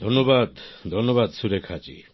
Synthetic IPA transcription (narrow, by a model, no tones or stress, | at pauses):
d̪ʱonːoβad̪d̪ʱonːoβad̪suɾekʰat͡ʃḭ